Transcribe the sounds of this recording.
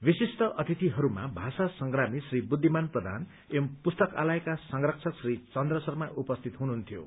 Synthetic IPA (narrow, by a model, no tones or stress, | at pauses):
bisist̪ʌʔʌt̪ʰit̪iɦʌɾuma̰bʱasasʌŋɡramisribud̪ʱːimanprʌd̪ʱa̰n | empust̪ʌka̰laekasʌŋrʌk̚t͡sʰʌksrit͡sʌnd̪rʌsʌrmaʔupʌst̪ʰit̪ɦunuɦunt̪ʰjo̰